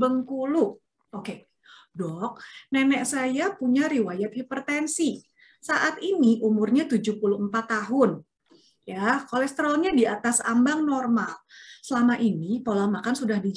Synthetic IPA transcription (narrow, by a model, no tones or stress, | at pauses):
əŋkulu | oke | dɔk̚nɛnɛksajapuɲaɾiwajat̪̚hipərt̪ɛnsi | saʔat̪iniʔumʊrɲat̪ud͡ʒuhpuluəmpat̪ːaɦʊn | jakolɛst̪əɾolɲadiat̪asa̰mbaŋnɔrmalsəlamaʔinipolamakansudahdid͡ʒ